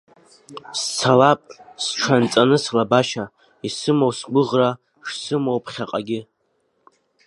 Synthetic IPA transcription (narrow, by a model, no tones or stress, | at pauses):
st͡sʰalapʼsʈ͡ʂʰant͡sʼanɨslabaʃa | isɨmowsɡʷʊʁra | ʂsɨmowpʰχʲaqʼaɡʲɪ